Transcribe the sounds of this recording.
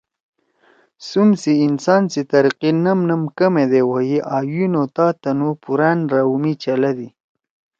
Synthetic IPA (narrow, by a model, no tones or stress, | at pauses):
sumsiːnsɑːnsit̪ɐɾiqinɐmnəmkɐmed̪ewojiʔɑːjinot̪ɑːt̪anupuɾanɾawumit͡ʃalad̪i